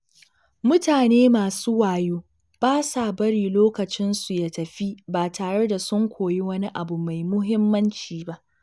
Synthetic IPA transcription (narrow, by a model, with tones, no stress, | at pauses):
mʊ˦taː˨neː˦maː˨suː˦waː˨joː˦ | b̥aː˦saː˨bɐ˦ɽiː˨loː˦kɐ˨t͡ʃɪ˦nsu˨ja˨tɐ˨ɸi˦baː˨tʰaː˨ɽe˦da˨sʊ˦ŋkʷoː˨ji˦wɐ˦ni˦ʔa˨bu˨ma˨jmʊ˦ɦɪ˦mːɐ˦nt͡ʃiː˨ba˦ʔ